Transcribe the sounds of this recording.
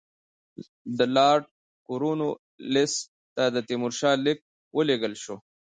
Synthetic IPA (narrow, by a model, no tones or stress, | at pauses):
d̪əlɑːʈ̚ | kuɾuno | lɪs | t̪ad̪ət̪imʊɾʃɑːlɪk̚ | wʔəleɡəlʃo